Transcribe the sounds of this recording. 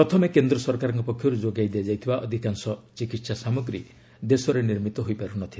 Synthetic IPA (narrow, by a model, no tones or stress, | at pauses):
pɾɔt̪ʰɔmekend̪ɾɔsɔɾkaɾɔŋkɔpɔkʰjɔɾud͡ʒoɡajd̪ead͡ʒajt̪ʰibaʔɔd̪ʱikansɔt͡ʃikit̪sasamuɡɾi | d̪esɔɾeniɾmit̪ɔɦojpaɾunɔt̪ʰila